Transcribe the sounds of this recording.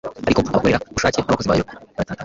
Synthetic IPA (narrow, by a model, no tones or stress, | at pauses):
aɾikoaakoɾeɾaβuʃaːcenaβakoziβaːjoatata